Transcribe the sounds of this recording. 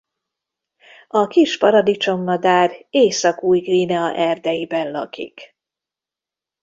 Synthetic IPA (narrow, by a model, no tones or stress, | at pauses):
ɒkiʃpɒɾɒd̪it͡ʃo̞mːɒd̪aːreːsɒkuːjɡrinɛɒʔɛrd̪ɛjibɛnlɒ̰kḭk